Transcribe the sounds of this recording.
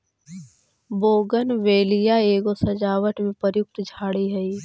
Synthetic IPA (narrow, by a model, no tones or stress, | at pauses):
boːɡənʋeːlijaeːɡosɐd͡ʒaːʋəʈmẽpəɾjʊk̚t̪d͡ʒʱaːɽiɦɛiː